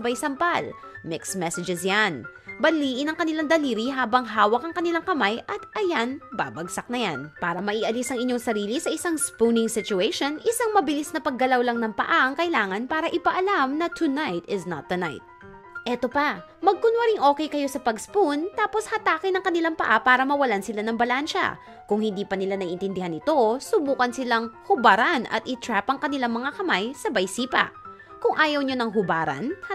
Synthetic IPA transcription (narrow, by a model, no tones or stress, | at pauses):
bajsɐmpal | mɪksmɛsɛd͡ʒɛsjan | bɐliːʔɪnɐŋkɐnɪlaŋd̪ɐliːɾiɦaːbɐŋɦaːwɐk̚ɐŋkɐnɪlaŋkɐmajʔɐt̪ʔɐjanba̰ːbɐɡsɐk̚nɐjanpaːɾɐmɐʔiʔɐlisɐŋɪɲːoŋsɐɾiːlisɐʔɪsaŋspunɪŋsɪt͡ʃʊejʃonʔɪsaŋmɐbɪlisnɐpɐɡ̚ːɐlawlɐŋnɐŋpɐ̰ʔaʔɐŋkɐɪlaːŋɐnpaːɾɐʔɪpɐʔɐlamnɐt̪ʰʊnajt̪ɪznɐ̰t̪̚ðɐna̰jt̪̚ | ʔɛt̪o̞pɐ | mɐɡ̚kʊnwɐɾɪŋʔo̞ːkɛjkɐjo̞sɐpɐɡspunt̪aːpo̞shɐt̪aːkɪnɐŋkɐnɪlaŋpɐʔapaːɾɐmɐwɐlansɪlanɐŋbɐlanʃɐ̰ | kʊŋhɪnd̪iːpɐnɪlanɐʔɪnt̪ɪnd̪ɪhanɪt̪o̞sʊbuːkɐnsɪlaŋhʊbaɾanɐ̰t̪̚ʔɪt̪ɾapʔɐŋkɐnɪlaŋmɐŋakɐmajsɐbɐjsiːpɐ̰ | kʊŋʔaːjɐwɲonɐŋɦʊbaːɾɐ̰n